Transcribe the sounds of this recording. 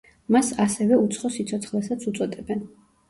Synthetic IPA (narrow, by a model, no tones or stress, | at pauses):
masasɛvɛut̪sʰχɔsit̪sʰɔt̪sʰχlɛsat̪sʰut̪sʼɔt̪ʼɛbɛn